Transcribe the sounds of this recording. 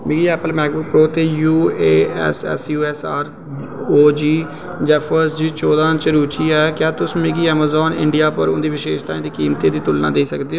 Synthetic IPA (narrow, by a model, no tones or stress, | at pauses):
mɪɡiːɛːpəlmɛːk̚bʊkpɾoːt̪eːjuːeːɛ̰ːsɛ̰ːsjuːɛːsaːɾ | oːd͡ʒiː | d͡ʒɛːpʰəsd͡ʒiːt͡ʃoːd̪ãːnt͡ʃəɾuːt͡ʃiːɛːkjaːt̪ʊsmɪɡiːɛːmaːzɔːnɪ̰̃ɳɖijaːpəɾʊnd̪iːʋɪʃeːʃt̪aːĩːd̪iːkiːmt̪eːd̪iːt̪ʊlnã̰ːd̪eːsəkd̪eːoː